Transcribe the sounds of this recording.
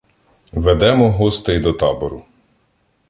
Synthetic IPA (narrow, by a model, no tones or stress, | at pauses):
ʋɛd̪ɛmɔɦɔst̪ɛjd̪ɔt̪ɑbɔɾʊ